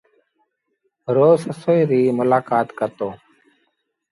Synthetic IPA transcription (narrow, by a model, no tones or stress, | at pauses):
ɾoːzəsoːiːɾiːmʊlaːkaːt̪kət̪oː